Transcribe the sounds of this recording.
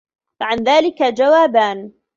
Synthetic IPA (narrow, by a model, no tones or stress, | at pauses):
faʕanðaːlɪkad͡ʒawaːbaːn